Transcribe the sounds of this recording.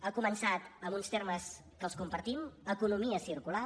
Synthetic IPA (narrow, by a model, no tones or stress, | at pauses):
əkumənsat̪əmunst̪eɾməs | kəlˠskumpəɾt̪iməkunumiəsiɾkula